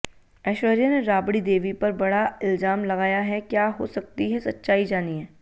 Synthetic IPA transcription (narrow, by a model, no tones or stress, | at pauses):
ɛːʃʋəɾijaneɾaːbɽid̪eːʋipɐɾbɐɽaɪlzaːmlɐɣaːjaɦɛkjaːɦo̰sɐk̚t̪iɦɛsɐtːʃaːid͡ʒaːniɦɛ̃ː